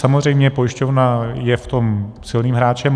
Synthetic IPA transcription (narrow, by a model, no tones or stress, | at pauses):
samozr̝ɛjmɲɛpo̞jɪʃcovnajɛft̪o̞msɪlniːmɦɾaːt͡ʃɛm